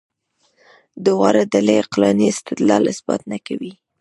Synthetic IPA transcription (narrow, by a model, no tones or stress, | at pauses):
d̪əwɑɾad̪aleqlɑniɪst̪ɪd̪lɑlɪsbɑ̰t̪̚nakawi